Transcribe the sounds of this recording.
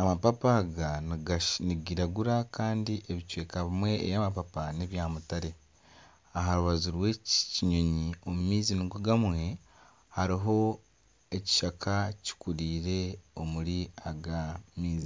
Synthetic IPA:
amapapaːɡaɡniɡiɾaɡuɾakaːndiʔe̞βicwe̞ːkaβimwe̞ḛjaːmapapaneβjaːmutaɾe̞ | aɦaɾuβazuɾwe̞ciɲo̞ɲio̞mumiːzinuɡuɡamwe̞ | haɾiɦo̞ | e̞ci̥ʃakʰaci̥kuɾiːɾe̞o̞muɾiaɡamiːzi

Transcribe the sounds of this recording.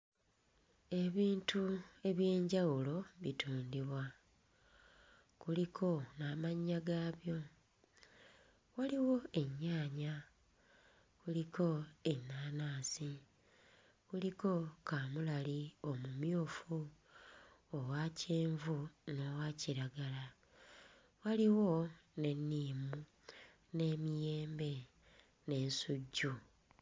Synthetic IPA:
e̞βiːntʰue̞βje̞ːɲɟawulo̞βitʰuːndiβwa | kulikʰo̞naːmaɲːaɡaːβjo̞ | waliwo̞e̞ɲːaːɲa | kuliko̞enːaːnaːsi | kuliko̞kaːmulalio̞mumjoːfu | owacʰeːɱvuno̞waciɾaɡala | waliwo̞ne̞nːiːmu | ne̞ːmijeːmbe̞ | ne̞ːnsuɟːu

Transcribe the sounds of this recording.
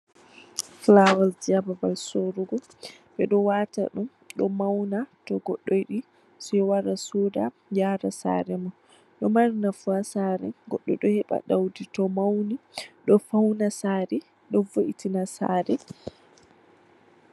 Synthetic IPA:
flawald͡ʒiababalsoɾuɡɔ | ɓɛɗɔwaːta̰ɗum | ɗɔmawnatɔɡɔɗːɔjɗi | sɔjɔwaɾasoda | d͡ʒaɾasa̰ɾɛma | ɗɔmaɾinafuasaɾɛɡɔɗːɔ̰jɗɔhɛɓa̰ɗawditɔmawniɗɔfawnasaɾɛ | ɗɔvoʔitinasa̰ːɾɛ

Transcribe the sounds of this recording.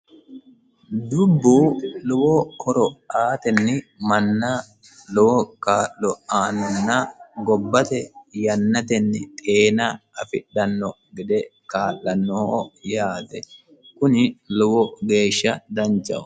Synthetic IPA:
d̪ʊbːuːlɔwɔkʰɔɾɔaːt̪ɛnːɪmɐnːɐ | lɔwɔkaːʔːɔaːnɐnːɐɡɔbːɐt̪ɛjɐnːɐt̪ɛnːɪt̪ʼeːnɐɐfɪᶑːɐnːɔ | ɡɛd̪ɛkaːlːɐnːɔhoːjaːt̪ɛ | kʊnɪlɔwɔɡe̞ːʃːɐd̪ɐnt͡ʃʼːɐ̰ʊ

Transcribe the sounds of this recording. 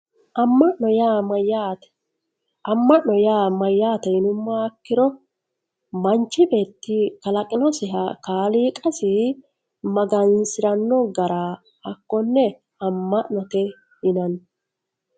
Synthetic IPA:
ʔɐmːɐʔnɔjaːmɐjaːt | ɐmːɐʔnɔjaːmɐjːaːt̪ɛɪnʊmːaːkːɪɾɔ | mɐnt͡ʃːɪbe̞ːt̪ːɪkɐlɐkʼɪnɔsɪɦɐkaːliːkʼɐsi | mɐɡɐnsɪɾɐnːɔɡɐɾaː | ɐkːɔnːɛ | ɐmːɐʔnɔt̪ɛ | ɪnɐn

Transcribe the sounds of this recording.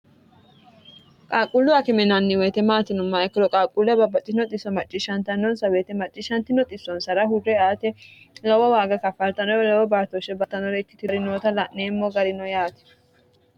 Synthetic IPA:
kʼaːkʼːʊlːʊɐkɪmɛnɐnːɪwɛjt̪ɛmaːt̪ɪnʊmːɐɛkːɪɾɔkʼaːkʼːʊlːɛbɐbɐt͡ʃʼːɪnɔt̪ʼɪsːɔmɐt͡ʃʼːɪʃɐnt̪ɐnːɔnsɐweːt̪ɛmɐt͡ʃʼːɪʃɐnt̪ɪnɔt̪ʼɪsːɔnsɐɾɐɦʊrːɛaːt̪ɛ | lɐwɔwaːɡɐkɐfɐlt̪ɐnɔɾɛlɐwɔbaːɾt̪ɔʃɛbɐt̪ːɐnɔɾɛkːɪ̥t̪ɪɾɪnoːt̪ɐlɐʔneːmːɔɡɐɾɪnɔjaːt̪ɛ̥

